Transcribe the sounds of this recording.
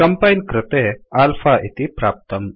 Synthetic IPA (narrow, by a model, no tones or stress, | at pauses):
ɐmpajnkɾɪt̪eaːlfaʔit̪ipɾaːp̚t̪əm